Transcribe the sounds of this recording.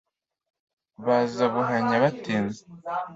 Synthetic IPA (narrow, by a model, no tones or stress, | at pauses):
βazaβuɦaɲaβatiːnze